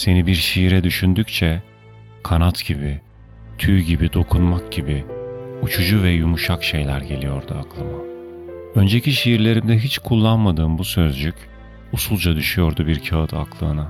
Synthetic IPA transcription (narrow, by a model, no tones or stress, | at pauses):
se̞nibiɾʃijiɾɛd̪yʃynd̪yct͡ʃʰɛ | kʰanat̪ɟ̥ibi | t̪ʰyːɟibid̪o̞kʰunmak̚ɟibiut͡ʃʰud͡ʒuvɛjumuʃakʃe̞jlʲæɾɟe̞lʲijo̞̰ɾd̪uaklˠɯma | ø̞nd͡ʒeciʃejiɾlʲe̞ɾimd̪ɛɦit͡ʃkʰulˠːanmad̪ɯːmbusø̞zd͡ʒycʲ | usulˠd͡ʒad̪yʃyjo̞ɾd̪ubiɾcʰaɯt̪ʰaklˠɯːna